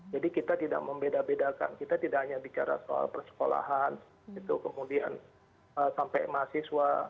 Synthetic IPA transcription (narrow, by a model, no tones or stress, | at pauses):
d͡ʒadikit̪at̪ida̰k̚məmbedabedaka̰nkit̪at̪idakhaɲabit͡ʃaɾa̰soa̰lpərsə̥kola̰ɦan | it̪ukəmudian | əsampajmasiswa